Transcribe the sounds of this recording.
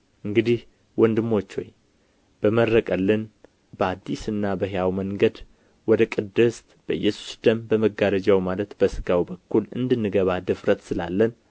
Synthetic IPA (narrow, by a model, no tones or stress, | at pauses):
ʔɨŋɡɨd̪ih | wɔnd̪ɨmːo̞t͡ʃːho̞̰j | b̥əmərːəkʼəlːɨn | bəad̪ːisɨnːabəɦejawməŋɡəd̪ | wɔd̪əkʼɨd̪ɨst̪ʼb̥əɨjːɛsu̥sd̪̥əmbəməɡaɾəd͡ʒawmalət̪b̥əsɨɡ̥awbəkːulɨ̰nd̪ɨnːɨɡəβad̪ɨfɾət̪sɨla̰lːən